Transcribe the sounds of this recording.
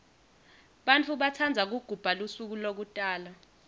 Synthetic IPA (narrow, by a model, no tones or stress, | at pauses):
ɓant͡fʰuɓat͡sʰand͡zʱak̬uɡ̥ʱub̥ʱalusuk̬ulok̬utʼaːla